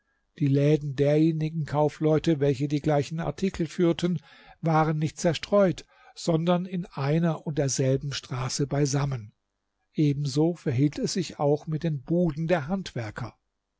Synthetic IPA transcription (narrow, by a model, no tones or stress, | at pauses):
d̥iːlɛːdn̩deːɐjeːnɪɡŋ̩kʰaʊflɔʏtəvɛlçədiːɡlaɪçn̩a̰ɐtʰikʰl̩fyːɐtʰən | vaːʁənːɪçt̚t͡sɛɐʃtʁ̥ɔʏt | z̥ɔndɐnɪnʔaɪnɐʔʊntd̥eːɐzɛlbm̩ʃtʁ̥aːsəbaɪzamən | ʔeːbm̩zoːfɛɐɦiːltɛsz̥ɪçaʊxmɪt̚d̥eːnbuːdn̩deːɐɦantv̥ɛɐkʰɐ̰